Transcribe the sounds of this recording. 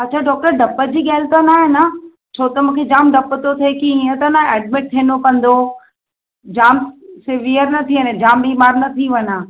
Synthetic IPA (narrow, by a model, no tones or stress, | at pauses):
ɐtːt͡ɕʰaɖɔːk̚ʈəɾɖɐpəd͡ʑiːɠaːɪlt̪anaːɦɪnɐ | t͡ɕʰoːt̪ɐmũːkʰed͡ʑaːmɖɐpt̪ot̪ʰekiĩə̃t̪ɐnaɛːɖ̚meʈ̚t̪ʰeːnokɐ̃nd̪o | d͡ʑaːmsɪʋiəɾnɐt̪ʰiʋəned͡ʑaːmbiːmaːɾnɐt̪ʰiʋɐɲa